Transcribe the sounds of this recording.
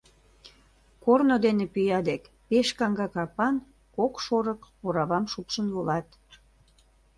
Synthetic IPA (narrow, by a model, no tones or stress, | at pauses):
kornod̪enepyjɑd̪ek | peʃkɑŋɡɑkɑpɑn | kokʃoɾəkpoɾɑβɑmʃupʃənvolɑt̪